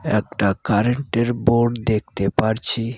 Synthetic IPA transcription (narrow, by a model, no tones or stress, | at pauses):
ɛk̚ʈakaɾeɳʈeɾboɾɖd̪ek̚ʰt̪epaɾt͡ɕʰi